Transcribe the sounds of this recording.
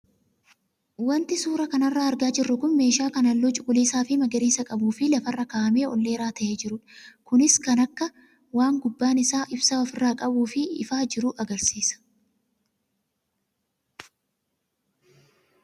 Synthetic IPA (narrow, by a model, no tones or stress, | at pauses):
wɐnt̪ɪsuːɾɐkɐnɐrːaːɐɾɡaːd͡ʒɪrːʊkʊnme̞ːʃaːkɐnɐlːɔt͡ʃʼʊkʼʊliːsaːfɪmɐɡɐɾiːsɐkʼɐbuːfɪlɐfɐrːɐkaːʔɐme̞ːɔlːe̞ːɾaːt̪ɐʔeːd͡ʒɪɾʊᶑkʊnɪskɐnɐkːɐ | waːŋɡʊbːaːnɪsaːʔɪbsɐɔfɪrːaːkʼɐbuːfɪɪfaːd͡ʒɪɾʊʔɐɡɐɾsiːsɐ̥